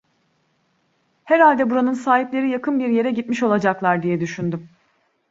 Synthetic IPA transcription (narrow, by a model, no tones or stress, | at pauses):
hɛɾalʲd̪ɛbuɾanɯnsaːɦiplʲe̞ɾijakʰɯnbiɾje̞ɾɛɟit̪miʃo̞lˠad͡ʒaklˠaɾd̪ijɛd̪yʃynd̪ym